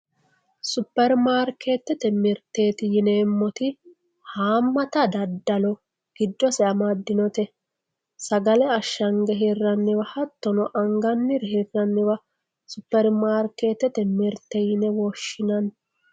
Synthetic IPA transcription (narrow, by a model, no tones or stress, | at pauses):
sʊpːɛɾmaːɾke̞ːt̪ːɛt̪ɛmɪɾt̪eːt̪ɪjɪneːmːɔt̪ɪ | haːmːɐt̪ɐd̪ɐd̪ːɐlɔ | ɡ̥ɪd̪ːɔsɛɐmɐd̪ːɪnɔt̪ɛ | sɐɡɐlɛɐʃːɐŋɡɛɦɛrːɐnːɪwɐhɐt̪ːɔnɔʔɐŋɡɐnːɪɾɦɛrːɐnːɪwɐ | sʊpːɛɾmaːɾke̞ːt̪ːɛt̪ɛmɪɾt̪ːɛjɪnɛwɔʃːɪnɐn